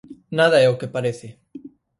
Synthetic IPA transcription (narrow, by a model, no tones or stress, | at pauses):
naðaɛokepaɾeθɪ